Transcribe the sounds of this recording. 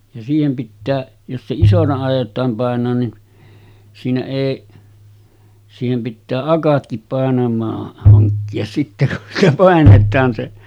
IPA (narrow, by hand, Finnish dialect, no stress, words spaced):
jɑ siːhem pitːæː jos se isonɑ ɑˑijˑotˑɑːm pɑˑenˑoːn nin siːnæ eˑi siːhem pitːæː ɑkɑtkip pɑˑenɑmˑɑːh hɑŋkːiɑs sitːe kun sitæ pɑˑenetˑɑːn se